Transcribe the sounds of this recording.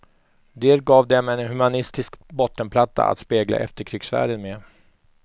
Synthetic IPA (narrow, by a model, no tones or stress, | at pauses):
d̪eːɾɡɑːvd̪ɛmɛnhɵmanɪst̪ɪskbɔt̪ːənpʰlat̪ʰːa̰a̰t̪speːɡla̰ʔɛ̰ft̪əɾkʰɾʏːksvæ̰ːɖənme